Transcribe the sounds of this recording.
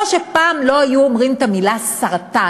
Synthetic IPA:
oʃepaːmlo̞ajuomʁimt̪amilasaʁt̪a

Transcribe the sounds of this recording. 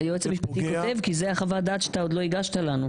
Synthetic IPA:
joet͡semhiʃpat̪ikot̪e̞vkizeaχavad̪aːt̪ʃat̪aod̪lo̞iɡaʃt̪alanu

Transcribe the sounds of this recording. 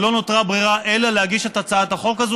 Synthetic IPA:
lo̞not̪ʁabʁiʁaʔelalehaɡiʃetat͡saat̪aχo̞kazu

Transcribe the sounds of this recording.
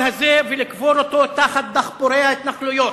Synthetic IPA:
hazevelikvoɾot̪ot̪aχat̪̚d̪aχpoɾejhaet̪naχlujo̞

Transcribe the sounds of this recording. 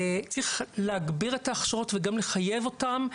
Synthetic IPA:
t͡sʁiχleaɡbiʁetaːχʃaʁo̞tveɡamle̞χaje̞vo̞tam

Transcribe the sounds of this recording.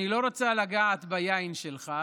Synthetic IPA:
ilo̞ʁot͡salaɡaʕat̪bajainʃelχa

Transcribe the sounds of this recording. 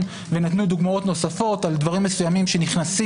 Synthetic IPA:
venatnud̪uɡmao̞t̪no̞safo̞tald̪vaʁimːe̞sujamimʃe̞niχnasi

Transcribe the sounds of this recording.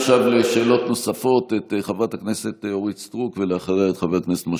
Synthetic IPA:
ʃavleʃe̞ːlo̞tno̞safo̞tet̪χavat̪aknesetoʁit͡st̪ʁukveleaχaʁejet̪χavekneset̪mo

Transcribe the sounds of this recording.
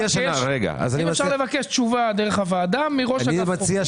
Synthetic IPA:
aʃanaʁeɡa̰a̰zaniefʃalevakeʃtt͡ʃuvad̪eʁeχavaːd̪amːiʁoʃimat͡sia

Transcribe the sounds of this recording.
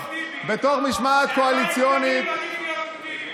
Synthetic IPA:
bet̪o̞χmiʃmat̪koalit͡sjonit̪

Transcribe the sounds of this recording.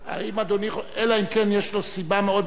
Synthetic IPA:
a̰imad̪oniχelaimkenjeʃlosibameo̞d̪

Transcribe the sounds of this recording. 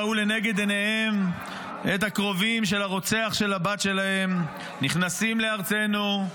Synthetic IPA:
ule̞ne̞ɡe̞d̪enehem | et̪hakʁo̞vimʃe̞laʁo̞t͡se̞aχʃe̞labat̪ʃe̞lahe̞m | niχnasimle̞aʁt͡se̞nu

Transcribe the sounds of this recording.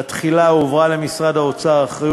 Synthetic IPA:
at̪χilaovʁale̞misʁad̪aot͡saʁaχʁi

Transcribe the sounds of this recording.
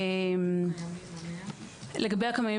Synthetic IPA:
em | leɡɐbejakamaj

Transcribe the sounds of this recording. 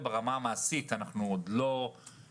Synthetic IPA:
beʁamaːmaːsit̪anaχnuod̪lo̞

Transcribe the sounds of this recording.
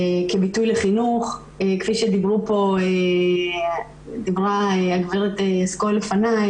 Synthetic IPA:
ekebitujleχinuχ | ekfiʃed̪ibʁupo̞e | d̪ibʁaeaɡviʁet̪easkole̞fanaj

